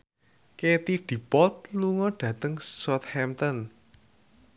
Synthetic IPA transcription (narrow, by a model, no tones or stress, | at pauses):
ket̪iɖ̥i̤pɔt̪̚luŋɔɖ̥ä̤t̪əŋsɔt̪hɛmt̪ɔn